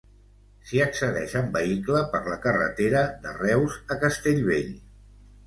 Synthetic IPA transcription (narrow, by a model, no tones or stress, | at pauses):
siəksəðɛʃəmbəikləpəɾləkərə̰t̪eɾəðə̰rɛwzəkəst̪eʎβeʎ